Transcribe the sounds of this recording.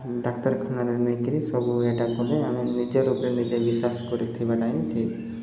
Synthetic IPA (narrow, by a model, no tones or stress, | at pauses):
ɖakt̪ɔɾkʰanaɾeɾnekiɾisɔbueʈakɔleaminid͡ʒeɾupɾenid͡ʒebisaskɔɾit̪ʰibaʈaĩki